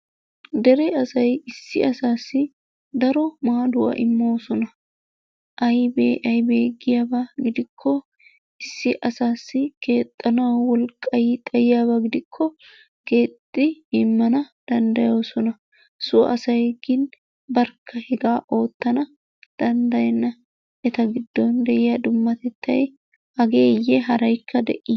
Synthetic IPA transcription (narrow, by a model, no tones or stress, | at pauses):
d̪ɛɾɛɐsɐjɪsːɪɐsaːsːɪ | d̪ɐɾɔmaːd̪ʊwɐ̰ʔɪmːo̞ːsɔnɐ | ʔɐjbeɐjbeːɡɪjaːbɐɡɪd̪ɪkʰːɔ | ɪsːɪʔɐsaːsːɪke̞ːt̪ʼːɐnawwɔlkʼːɐjɪt̪ʼɐjɪjaːβɐɡɪd̪ɪkʰːɔ | ɡe̞ːt̪ʼːɪɪmːɐnɐd̪̥ɐnd̪ɐjo̞ːsɔnɐ | sʊɐsɐjɡɪn | bɐɾkʰːɐhɛɡaːʔo̞ːt̪ːɐnɐ | d̪̥ɐnd̪ɐjɛnːɐ | ɛt̪ɐɡɪd̪ːɔnd̪ɛʔɪjɐd̪ʊmːɐt̪ɛt̪ːɐj | hɐɡeːjːɛɦɐɾɐjkʰːɐd̪ɛ̰ʔːɪ